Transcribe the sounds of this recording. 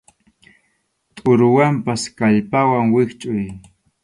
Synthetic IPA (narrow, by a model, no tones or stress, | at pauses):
t̪ʼʊɾʊwampaskaʎpawaŋwɪkt͡ʃʼʊj